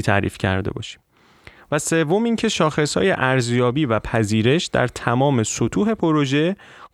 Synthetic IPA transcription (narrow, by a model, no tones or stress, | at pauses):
t̪ʰæ̰ːɾḭːfcʰæ̰ɾd̪ḛbɒ̰ːʃi̥m | væse̞vːo̞miːŋcʰe̞ʃɒːxe̞shɒ̰ːje̞̰ʔæɾzjɒːbiːvæpʰæziːɾe̞ʃd̪æ̰ɾt̪ʰæmɒːme̞sot̪ʰuːɦe̞pʰo̞ɾo̞ʒe̞